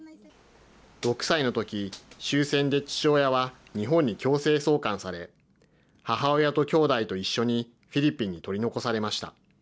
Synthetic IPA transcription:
d̥o̞kɯ̟̥saino̞t̪o̞kʲiɕɨːsẽ̞nd̪e̞t͡ɕi̥ɕo̞ːjaβa | ɲ̟iɦõ̞ɲ̟ːikʲo̞ːse̞ːso̞ːkãɰ̃saɾe̞ | haɦao̞jat̪o̞kʲo̞ːd̪ait̪o̞iɕːo̞ɲ̟i | ɸʲiɾʲipʲːiɲ̟ːit̪o̞ɾʲino̞ko̞saɾe̞maɕi̥t̪a̰

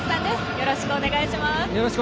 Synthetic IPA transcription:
sãnd̪esjoɾoɕi̥kɯone̞ɡaiɕimasjoɾoɕi̥k

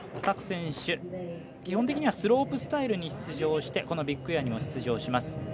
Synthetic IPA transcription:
kakɯ̟̥sẽ̞ɰ̃ɕɨ | kʲihõ̞nt̪ekʲiɲ̟iβasɨɾo̞ːpɯ̟sɨ̥t̪aiɾɯ̟ɲ̟iɕi̥t͡sɨʑo̞ːɕi̥t̪e̞ko̞no̞bʲikːɯ̟jaɲ̟imo̞ɕi̥t͡sɨʑo̞ːɕimasɨ̥

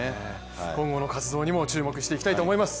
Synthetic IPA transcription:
e | kõ̞ŋɡo̞no̞kat͡sɨd̪o̞ːɲ̟imo̞t͡ɕɨːmo̞kɯ̟ɕi̥t̪e̞ikʲit̪ait̪oːmo̞imasɨ̥

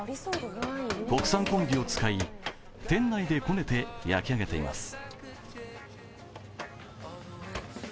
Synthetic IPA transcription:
ko̞kɯ̟̥sãŋkõ̞ŋbʲio̞t͡sɨ̥kai | t̪ẽ̞nːaid̪e̞ko̞ne̞t̪e̞ja̰kʲiaɡe̞t̪e̞ima̰sɨ̥

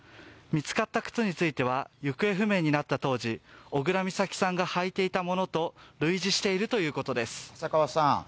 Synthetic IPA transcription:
mʲit͡sɨ̥kat̪ːakɯ̥t͡sɨɲ̟it͡sɨit̪e̞β̞ajɯ̟kɯ̟e̞ɸɯ̟me̞ːɲ̟inat̪ːat̪o̞ːʑio̞ɡɯ̟ɾamʲisakʲi̥sãŋɡahait̪e̞it̪amo̞no̞t̪o̞ɾɯ̟iʑiɕi̥t̪e̞iɾɯ̟t̪o̞jɯ̟ːko̞t̪o̞d̪e̞sɨ̥sakaβasã

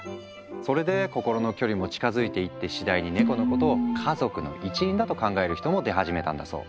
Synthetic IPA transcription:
so̞ɾe̞d̪e̞ko̞ko̞ɾo̞no̞kʲo̞ɾʲimo̞t͡ɕi̥kazɨit̪e̞it̪ːe̞ɕid̪aiɲ̟ine̞ko̞noko̞t̪o̞ːkʰazo̞kɯ̟no̞̰ʔit͡ɕiĩnd̪at̪o̞kãŋɡae̞ɾɯ̟çi̥t̪o̞mo̞d̪e̞ɦaʑime̞t̪ã̰nd̪a̰z̥o̞̰ː

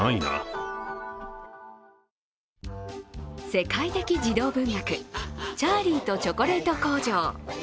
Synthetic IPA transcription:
aina̰ | se̞kait̪e̞kʲid͡ʑid̪o̞ːbɯ̟̃ŋjakɯ̟t͡ɕaːɾʲiːt̪o̞t͡ɕo̞ko̞ɾet̪o̞ko̞ːd͡ʑoː

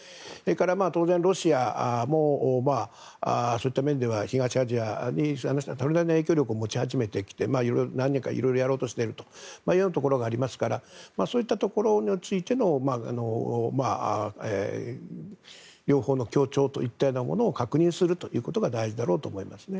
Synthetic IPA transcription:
e̞ːkaɾamaːt̪o̞ːzẽnɾo̞ɕiamo̞ma | aso̞ːit̪ːamẽ̞nd̪e̞βaçiɡaɕiaʑiaɲihanat̪oɾed̪akʲenae̞ːkʲo̞ːɾʲo̞kɯomo̞t͡ɕihaʑime̞t̪e̞kʲi̥t̪e̞maːiɾoɾonãnɲːʲĩŋka̰ḭɾo̞ijɾo̞jaɾo̞ːt̪o̞ɕi̥t̪e̞ɾɯ̟t̪o̞̥maːijːnat̪o̞ko̞ɾo̞ɡaːɾʲimasɨ̥kaɾamaːso̞ːit̪ːat̪o̞ko̞ɾo̞ɲʲit͡sɨit̪e̞no̞maa̰no̞ma̰ḛ | ɾʲo̞ːho̞ːno̞kʲo̞ːt͡ɕo̞ːt̪o̞̰it̪ːanomo̞̰noːkakɯ̟ɲ̟ĩɰ̃sɨɾɯ̟t̪o̞jɯ̟ːko̞t̪o̞ɡad̪aiʑid̪aɾo̞ːt̪o̞ːmo̞imasɨne

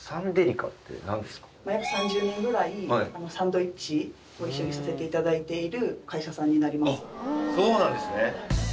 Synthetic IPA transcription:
sãnd̪eɾʲika̰t̪ːḛnã̰nd̪esɨ̥kḁmajakɯ̟̥sãɲ̟d͡ʑɨːnẽŋɡɯ̟ɾaiaano̞sãnd̪o̞it͡ɕi | ɡoiɕːo̞ɲ̟isase̞t̪e̞it̪ad̪ait̪e̞iɾɯ̟kaiɕasãɲ̟ːinaɾʲimasɨ̥soːnãnd̪e̞sɨne

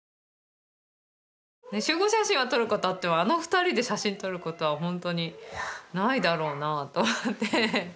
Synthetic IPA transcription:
ne̞ɕɨːɡo̞ɕaɕĩɰ̃at̪o̞ɾɯ̟ko̞t̪oat̪ːeaːno̞ɸɯ̟̥t̪aɾʲid̪e̞ɕaɕĩnt̪o̞ɾɯ̟ko̞t̪o̞βaɦõ̞nt̪o̞ɲ̟inaid̪aɾo̞ːnat̪o̞mot̪ːe

